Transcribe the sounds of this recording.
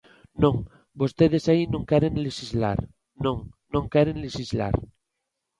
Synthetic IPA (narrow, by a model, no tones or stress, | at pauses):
nõŋ | bost̪eðesainõŋkɛɾẽŋleʃizla̰ɾ | nõŋnõŋkɛɾẽŋleʃizla̰ɾ